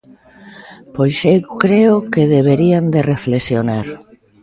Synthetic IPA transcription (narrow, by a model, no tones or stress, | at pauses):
pojʃekɾeokeðeβeɾiand̪ereflesjonaɾ